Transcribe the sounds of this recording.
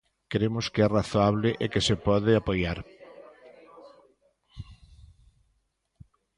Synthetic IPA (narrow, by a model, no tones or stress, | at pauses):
keɾemʊskeɛraθoaβlɪʔekesepɔðɪapojaɾ